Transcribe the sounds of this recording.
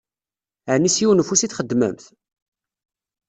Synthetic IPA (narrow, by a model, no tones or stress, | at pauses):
əʕnisjiwnəfusiθχəd̪ːmə̰mθ